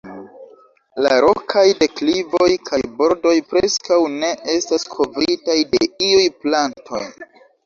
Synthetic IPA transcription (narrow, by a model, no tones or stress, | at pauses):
laɾo̞kʰajde̞klivo̞jkʰajbo̞ɾdo̞jpɾeskawne̞ʔe̞staskʰo̞vɾitajde̞iujplantʰo̞̰j